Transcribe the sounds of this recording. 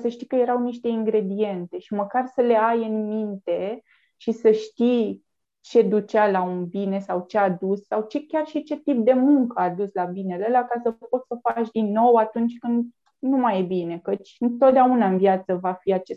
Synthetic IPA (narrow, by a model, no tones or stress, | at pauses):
səʃt̪ikəjeɾawniʃt̪e̞iŋɡɾe̞d̪ie̞nt̪e̞ʃiməkarsəle̞ajɨnmint̪e̞ | ʃisəʃt̪i | t͡ʃe̞d̪ut͡ʃalaunbine̞sawt͡ʃead̪usːawt͡ʃekʲarʃit͡ʃe̞t̪ip̚d̪e̞muŋkəad̪uslabine̞lelakasəpo̞t̪səfat͡ʃd̪inːo̞wat̪unt͡ʃʲkɨnd̪ | numajebine̞kət͡ʃʲɨnt̪o̞t̪̚d̪aunaɨnvjat̪səvafiat͡ʃe